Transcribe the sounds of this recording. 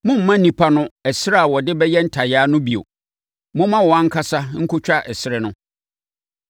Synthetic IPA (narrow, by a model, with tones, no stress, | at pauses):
mʊ̃˦m̩˦mã˦nĩ˨pʰa˦nʊ̃˦ɛ˨sɪ˦ɾa˦a˨wɔ˨dɪ˦bɛ˦jɛ˦n̩˦tʰa˨jaː˦nʊ̃˦bi˨o̰˨ | mʊ̃˦m˦mã˦wɔ˨ã˦ŋ̩˦kʰa˦sa˦ŋ̩˦kʰʊ˦t͡ɕᶣa˦ʔɛ˨sɪ˦ɾɪ˦nʊ̃˦